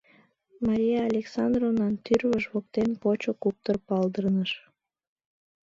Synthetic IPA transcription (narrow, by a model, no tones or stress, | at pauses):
mɑɾʲijɑːlʲeksɑnd̪rovnɑnt̪yrβəʃβok̚t̪enpot͡ɕokup̚t̪ərpɑld̪ərnəʃ